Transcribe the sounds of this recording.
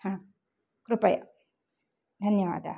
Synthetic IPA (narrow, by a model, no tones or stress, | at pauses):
hãː | kɾupɐjɐ̰ | d̪ʱɐnjɐʋa̰ːd̪ʱɐ̰